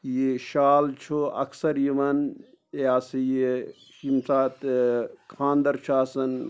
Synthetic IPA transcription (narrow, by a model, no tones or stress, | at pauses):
jeʃaːlt͡ʃʰoɐ̰ksɐɾjiʋɐn | aːsije | ʃimsaːt̪kʰaːnd̪ɐɾt͡ʃʰaːsɐn